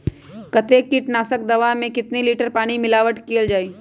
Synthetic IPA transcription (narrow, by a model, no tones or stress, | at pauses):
kɐt̪ekːiʈnaːsək̚d̪ɐʋamẽkɪt̪niliːʈəɾpaːɽ̃imɪlaːʋəʈkeːld͡ʒaːiː